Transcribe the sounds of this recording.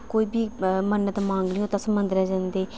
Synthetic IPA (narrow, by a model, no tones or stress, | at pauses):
koːiːbʱiːmənːət̪ːmãːŋɡliːõːt̪ãːsəmənd̪əɾɛːd͡ʒãːnd̪eː